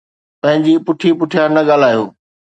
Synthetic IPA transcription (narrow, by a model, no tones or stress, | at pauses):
pɐ̃ɦɪ̃ɲd͡ʑipʊʈʰipʊʈʰijaːɾnɐɡaːl̤aːjoː